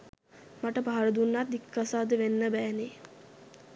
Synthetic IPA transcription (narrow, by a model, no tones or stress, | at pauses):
maʈəpaɦaɾəd̪unːat̪ikːasaːd̪əʋenːəbæːne